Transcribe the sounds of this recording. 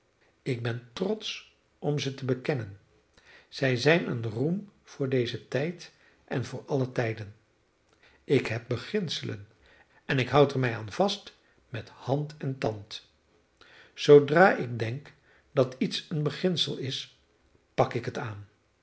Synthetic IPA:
ɪɡ̚bɛntrɔts | ʔɔmzətəbəkɛnən | z̥ɛjzɛjnə̰nrumv̥ʊːɹdejzətɛjt | ʔɛ̰nvʊːɹɑlətɛjdən | ɪkɦɛp̚bəχɪnsələ̰n | ɛnɪkɦʌwtɛɹmɛjaːnv̥ɑst | mɛthɑntɛntɑnt | z̥owdraːʔɪɡ̚dɛŋk | dɑtitsənbəχɪnsəlˠɪs | pɑkɪkɦətaːn

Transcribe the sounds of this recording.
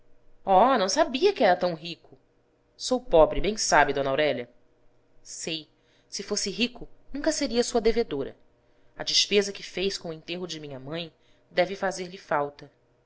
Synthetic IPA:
ɔnɐ̃w̃sabiɐkɪɛɾɐt̪ɐ̃w̃ɦikʊ | sowpɔbɾɪbẽj̃sabid̪õnawɾɛʎɐ | sej | sɪfosɪɦikʊnũŋkɐseɾiɐsuɐd̪eved̪oɾɐ̰ | ɐd͡ʒɪʃpezɐkɪfejʃkõẽt̪eɦʊd͡ʒɪmĩɲɐmɐ̃j̃ | d̪ɛvɪfazeɾlɪfawt̪ɐ

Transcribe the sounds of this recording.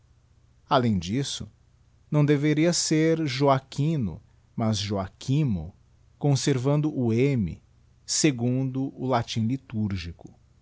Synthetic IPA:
alẽj̃d͡ʒisʊ̰ | nɐ̃w̃d̪eveɾiɐseɾʒoakĩnʊ̰ | mɐzʒoakʰĩmʊ̰ | kõseɾvɐ̃nd̪ʊʔʊemɪ̰ | seɡũnd̪ʊʔʊlat͡ʃĩlit̪uɾʒikʊ̥

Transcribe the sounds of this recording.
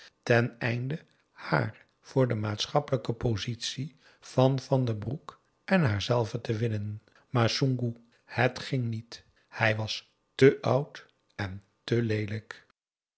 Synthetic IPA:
tɛnɛjndə | ha̰ːɹ | v̥ʊːɹdəmaːtsχɑpələkəpozitsi | v̥ɑnvɑndəbruk | ʔɛnɦaːɹzɛlˠvətəʋɪnən | maːɹsuŋɡu | hətχɪŋnit | hɛjʋɑs | təʔʌwt | ɛn | təlejlək

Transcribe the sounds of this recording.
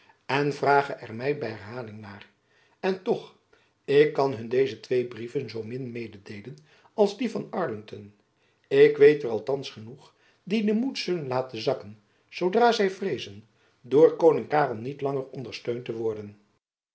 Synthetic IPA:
ɛnvraːχəʔɛɹmɛjbɛjɦɛɹɦaːlɪŋnaːr | ɛntɔχ | ɪkːɑnɦɵndejzətʋejbrivənzowmɪnmejdədejlən | ɑlˠzdivɑnɑɹlɪŋtɔn | ɪkʋejtərɑlˠtɑnsχənuχ | didəmutsɵlənlaːtəzɑkən | z̥owdraːzɛjvrejzən | dʊːɹkownɪŋkaːrəlˠnitlɑŋərɔndəɹstøɥntəʋɔɹdən

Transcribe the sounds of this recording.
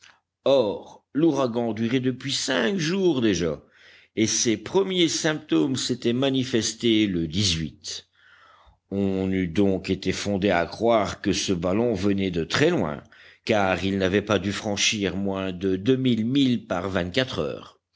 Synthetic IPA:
ɔʁluʁaɡɑ̃d̪yʁed̪əpɥisɛ̃kʒuːʁd̪eʒa | esepχəmjesɛ̃p̚t̪omset̪ɛmanifɛst̪eləd̪izɥit̪ | ɔ̃nyd̪ɔ̃ket̪efɔ̃d̪ea̰kχwaːʁkəsəbalɔ̃vənɛd̪ət̪χɛlwɛ̰̃kaːʁilnavɛpad̪yfχɑ̃ʃiʁmwɛ̃d̪əd̪ømilmilpaʁvɛ̃t̪̚kat̪χœ̰ːʁ

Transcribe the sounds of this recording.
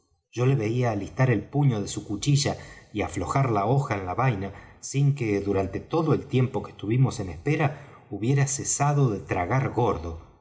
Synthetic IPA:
ʒ̥o̞le̞βe̞iaːlist̪aɾe̞lpuɲo̞ðe̞sukut͡ʃiʒaiaflo̞xaɾlao̞xaenlaβajnasiŋkeðuɾant̪e̞t̪o̞ðo̞e̞lt̪je̞mpo̞ke̥st̪uβimo̞se̞nespe̞ɾa | uβje̞ɾasesaðo̞ðet̪ɾaɣaɾɣo̞ɾðo̞

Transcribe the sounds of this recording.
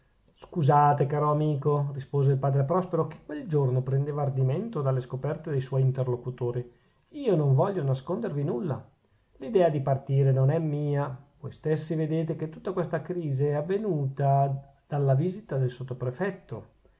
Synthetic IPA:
skuzaːt̪ekaːɾoamiːkorispoːzeilpaːd̪ɾepɾɔspeɾok̟ekːweld͡ʒornopɾend̪eːvaːrd̪iment̪od̪alːeskopɛrt̪ed̪ejswɔjint̪erlokut̪oːɾi | iːonoɱvɔʎːonaskond̪ervinulːa̰ | lid̪ɛːad̪ipart̪iːɾenonɛmːiːavojst̪esːived̪eːt̪̬eket̪ːut̪ːakwest̪akɾiːziɛavːenuːt̪a | d̪̥alːaviːzit̪ad̪elsot̪ːopɾefɛt̪ːo

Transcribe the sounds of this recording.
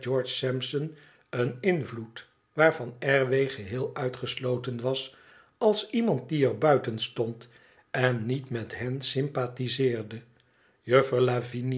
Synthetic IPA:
d͡ʒɔɹt͡ʃsɛmpsən | ənɪnvlut | ʋaːɹvɑnɛɹʋejχəɦɪːlˠœɥtχəslowtənʋɑs | ɑlˠsimɑnt̚diɛɹbœɥtənstɔnt | ɛnːitmɛtɦɛnsɪmpaːtizɪːɹdə | jøfəɹlavin

